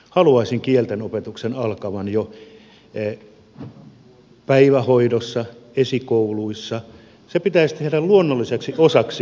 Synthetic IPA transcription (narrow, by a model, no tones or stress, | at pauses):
hɑluɑisiŋkielt̪enopet̪uksenɑlkɑʋɑnjo | pæiʋæhoidosːɑesikouluisːɑ | sepit̪æist̪ehɾælluonːolːˑiseksiosɑksi